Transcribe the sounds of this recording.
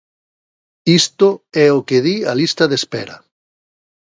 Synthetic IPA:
ist̪oɛokeðialist̪ɐðespɛɾɐ̰

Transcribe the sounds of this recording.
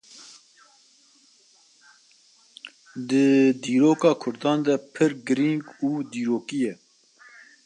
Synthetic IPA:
d̪ɨd̪iːɾoːkɑːkʰʊɾd̪ɑːnd̪ɛpʰɨɾɡɨɾiŋɡuːd̪iːɾoːkijɛ

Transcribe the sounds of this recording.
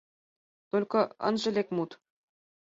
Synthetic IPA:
t̪olʲkɤ̆ɤ̰̆nʐɘ̆lʲekʲmut̪

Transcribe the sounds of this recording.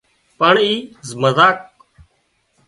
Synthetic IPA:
pəɳiːzməzaːk̚

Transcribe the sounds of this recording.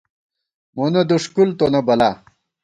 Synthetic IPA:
monɐd̪uʂkult̪onɐbɐla

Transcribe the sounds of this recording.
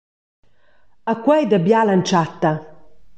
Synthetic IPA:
akwɛjd̪abjalant͡ʃat̪ːa

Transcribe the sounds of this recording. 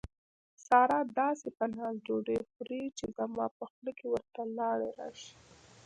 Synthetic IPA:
sɑɾɑd̪ɑsepənɑzd͡ʒoɖexɾit͡ʃezamɑ̰pəxləkewəɾt̪alɑɽeɾɑ̰ʃi̥

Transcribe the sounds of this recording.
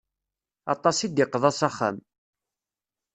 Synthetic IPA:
ɑ̰t̪ˤɑsid̪jɪqːðˤɑsɑχa̰m

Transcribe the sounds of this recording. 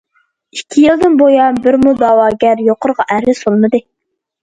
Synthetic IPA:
ikʲʰːijilˠd̪ɨnbojɑbɪɾmud̪ɑːwɑːɡʲæɾjoqʰʊɾʁɑʔæɾɪsolˠmɨd̪ɨ

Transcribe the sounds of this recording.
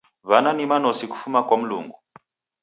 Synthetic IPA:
βananimanɔsiku̥fumakwam̩lṵŋɡu

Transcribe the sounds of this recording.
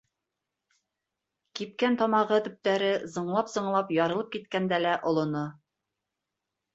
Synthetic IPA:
kip̚kænt̪ɒmɑʁɤt̪ɵ̆p̚t̪æɾɘzɤ̆ɴlˠɑpzɤ̆ɴlˠɑpjɑɾɤ̆lˠɤp̚kit̪kænd̪ælæʔŏlˠŏno

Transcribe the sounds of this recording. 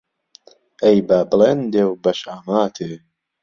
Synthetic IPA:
ejbablend̪ewbɐʃaːmaːt̪ʰe

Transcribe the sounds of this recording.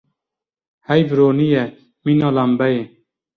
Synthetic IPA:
hɛjvɾoːnijɛ | minɑːlambɛje

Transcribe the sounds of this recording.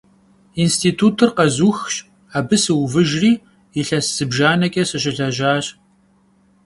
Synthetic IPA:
instʰiːtʰuːtʰɨrqɐzuːxɕ | aːbɨsɨwvɨʒriː | iɬɐsz̥ɨbʒaːnɐkʲʼɐsɐɕʼɪɮɐʒaːɕʼ

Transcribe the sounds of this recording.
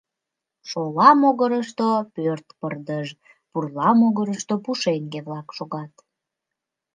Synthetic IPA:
ʃolɑmoɣəɾəʃt̪opørt̪pərd̪əʒ | purlɑmoɣəɾəʃt̪opuʃeŋɡeβlɑkʃoɣɑt̪

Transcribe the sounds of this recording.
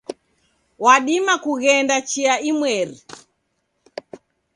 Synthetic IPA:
waɗimakuɣɛndat͡ʃiaimwɛɾi

